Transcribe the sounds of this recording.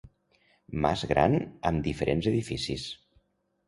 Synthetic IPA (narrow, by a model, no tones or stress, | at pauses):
ma̰zɣɾa̰nəmd̪ifəɾʔenzəðifisis